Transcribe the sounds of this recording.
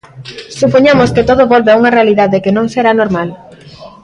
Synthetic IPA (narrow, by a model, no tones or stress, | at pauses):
supoɲamosket̪oðoβolβeauŋɐrealiðaðekenõŋseɾanoɾmal